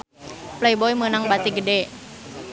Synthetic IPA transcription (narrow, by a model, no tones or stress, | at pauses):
plejbɔimənaŋbat̪iɡədɛ